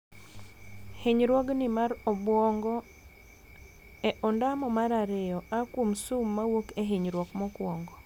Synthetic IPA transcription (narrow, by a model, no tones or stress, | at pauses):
heɲɾwɔɡnɪmaɾɔbwɔŋɡɔ | eʔɔndamɔmaɾaɾejɔakwomsumːawokeɦiɲɾwɔkmɔkwɔŋɡɔ